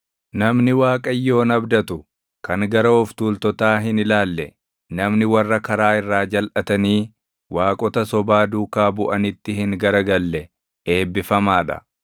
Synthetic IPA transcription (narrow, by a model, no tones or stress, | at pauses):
nɐmnɪwaːkʼɐjːo̞ːnɐbd̪ɐt̪ʊ | kɐŋɡɐɾɐɔft̪uːlt̪ɔt̪aːɦɪnɪlaːlːɛ | nɐmnɪwɐrːɐkɐɾaːɪrːaːd͡ʒɐlʔɐt̪ɐniː | waːkʼɔt̪ɐsɔbaːd̪uːkaːbʊʔɐnɪt̪ːɪhɪŋɡɐɾɐɡɐlːɛ | e̞ːbːɪfɐmaːᶑɐ̰